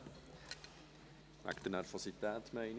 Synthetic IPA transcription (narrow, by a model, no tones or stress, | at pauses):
mæ̰kt̪ənæɾvɔsit̪æːt̪mɛɪn